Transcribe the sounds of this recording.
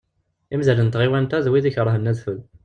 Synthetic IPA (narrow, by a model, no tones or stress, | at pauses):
imzælənt̪ʁiwænt̪æðwiðiçəɾˤəɦənːæðθul